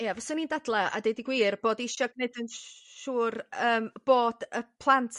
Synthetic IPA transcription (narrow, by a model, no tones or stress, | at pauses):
javɔsʊniːndadlˠɛa̰dejdiɡwiːrb̥oːdiʃɔɡ̚nedənʃuːrəːmb̥oːd̥əpʰlˠantʰ